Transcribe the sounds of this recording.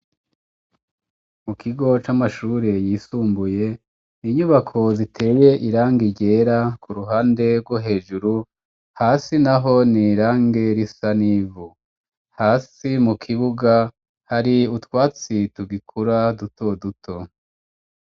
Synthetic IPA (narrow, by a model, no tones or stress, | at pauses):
mukʰiɡo̞t͡ʃamaʃuːɾe̞jiːsuːmbuje̞ | niɲuβakʰo̞zitʰe̞ːje̞ʔiɾaːŋɡiɟe̞ːɾakʰuɾuɦaːnde̞ɾɡwoɦe̞ːʒuɾu | haːsinaɦo̞niɾaːŋɡe̞ɾisanivu | haːsimukʰiβuɡa | haɾiutwaːt͡situɡikʰuɾaduto̞dutʰo̞